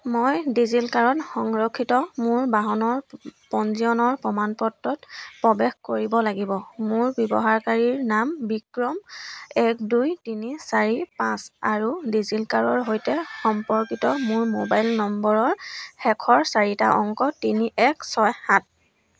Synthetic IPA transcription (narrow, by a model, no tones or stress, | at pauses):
mojdizilkaɹɔtxɔŋɹɔkʰːitɔmʊɹbaɦɔnɔɹpɔnziɔnɔɹpɔmanpɔtːɔtpɹɔbɛxkoɹibɔlaɡibɔmʊɹbjɔbɔɦaɹkaɹiɹnambikɹɔmɛk̚dujtinisaɹipãsaɹudizilkaɹɔɹɦojtɛxɔmpɔɹkitɔmʊɹmo̰bajlnɔmbɔɹɔɹxɛkʰɔɹsaɹita̰ʔɔŋkɔtiniʔɛksɔjhat̚